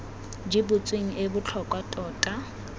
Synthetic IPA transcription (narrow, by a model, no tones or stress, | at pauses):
d͡ʒɪbʊt͡sʼweŋ̩ʔebʊt͡ɬʰɔkʼwatʼɔːtʼa